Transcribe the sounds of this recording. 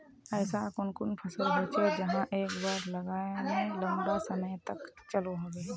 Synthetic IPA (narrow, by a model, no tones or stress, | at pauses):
ɛːsakʊnkʊnpʰəsoɦoːt͡ʃʰed͡ʒɐɦãʔeːkbaːɾlɐɡaːemẽlə̃mbasɐməjt̪ɐkt͡ʃəloɦoɡe